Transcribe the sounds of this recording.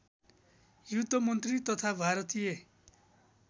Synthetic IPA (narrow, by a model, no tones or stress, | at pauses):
jut̪ːʌmʌnt̪rit̪ʌt̪ʰabʱaɾʌt̪ije